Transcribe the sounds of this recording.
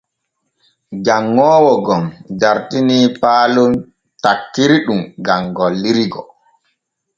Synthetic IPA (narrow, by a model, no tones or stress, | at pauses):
d͡ʒaŋːɔːwɔɡɔmdaɾtiniːpaːlun | takːiɾiɗumɡamɡɔlːiɾiɡɔ̰